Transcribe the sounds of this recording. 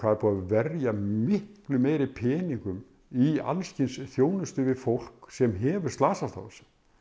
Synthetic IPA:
vaːðɛɾpʰuːaðvɛɾjamɪhklʏmeːjɾɪpʰɛːniŋkʏm | ia̰lscɪnsθjoːwnʏst̪ʏvɪðfowl̥ksɛmɦɛːvʏɾ̥st̪aːsast̪a̰wsɛ̥m

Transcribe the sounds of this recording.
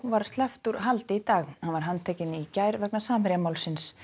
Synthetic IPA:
vaɾ̥st̪lɛft̪uɾɦalt̪ɪit̪aːɣhanvaɾ̥ɦanːt̪ʰɛːcɪnicaːjɾvɛk̚nasaːmɪɾjamaːwlsɪns

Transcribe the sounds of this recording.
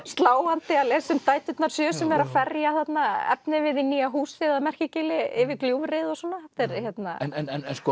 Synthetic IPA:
st̪laːwant̪ɪalesʏmt̪aːjt̪ʏt̪naɾ̥sjœːsɛmɛɾaðfɛrjaθat̪naɛ̰p̚nɪvɪðiniːaɦuːsɪðamɛr̥cɪcɪlɪɪvɪkljuːvreðɔswɔnːat̪ɛɾçjɛt̪na̰nɛnɛnɛnskɔ

